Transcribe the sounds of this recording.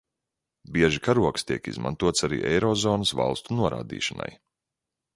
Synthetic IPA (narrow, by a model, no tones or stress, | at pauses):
biɛʒikaɾuɔkst̪iɛkḭzma̰nt̪uɔt̪saɾḭːʔɛjɾɔzɔːnəsva̰lˠst̪unuɔɾa̰ːd̪ḭːʃana̰j